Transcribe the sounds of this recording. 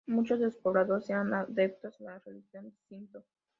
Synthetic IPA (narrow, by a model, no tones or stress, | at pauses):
mut͡ʃozðespoβɾaðoɾseanaðep̚t̪osnarelixjond̪ist̪int̪o